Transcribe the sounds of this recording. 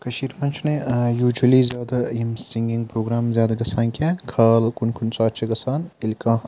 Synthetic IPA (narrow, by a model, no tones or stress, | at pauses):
kʰɐʃiːɾmɐnʲt͡ʃʰunejuːd͡ʒɐlizjaːd̪ɐjimsiŋɡʲiŋɡ̚pɾoːɡɾaːmzjaːd̪ɐɡɐsaːnkʲʰɛːkʰaːlkunkʰunt͡sʼaːt̚t͡ʃʰeɡɐsaːnilʲkãː